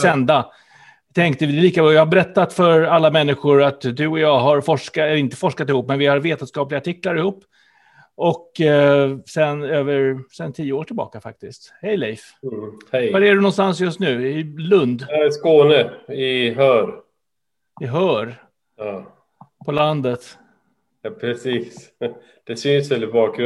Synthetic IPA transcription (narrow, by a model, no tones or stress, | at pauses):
ssɛnd̪a | t̪ʰɛŋk̚t̪əvɪliːkabɔːjɑːhabɛɾɛt̪ːat̪fœɾalːamɛnːɪɧʊɾat̪d̪ɵɔjɑːɦaɾfɔʂkaɛɾɪnt̪ə̥fɔʂkat̪ɪhuːpːmɛnvɪhaɾveːt̪ənskɑːplɪɡaʈʰɪkːlaɾɪhuːpː | ɔkː | sɛnøːvəɾsɛnt̪ʰijːəoːʈʰɪlbɑ̰ːkafa̰k̚t̪ɪst̪hɛjlɛjf | hɛjvaɾæɖɵnɔnst̪ans̬jɵst̪nʉ̟ːɪlɵnd̪skoːnəɪɦœːɾ | ɪɦœːɾ | jɑː | pʰɔland̪ət̪ | jɑːpʰɾɛsiːs | d̪̥ɛsʏnsɛlːɪbɑːkɾɵ